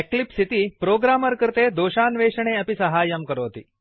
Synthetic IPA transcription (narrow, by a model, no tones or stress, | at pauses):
eklipsit̪iːpɾoɡɾaməɾkəɾt̪ed̪oːɕanʋeɕɳ̃eɐpisɐɦaːjəmkəɾoːt̪ḭː